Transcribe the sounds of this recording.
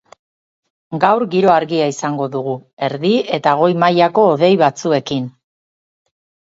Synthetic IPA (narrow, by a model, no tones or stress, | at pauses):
ɡawɾɡiɾo̞aɾɣiaisaŋɡo̞ðuɣue̞ɾðie̞t̪aɣ̞o̞jmajako̞ːðe̞jβat͡sue̞kin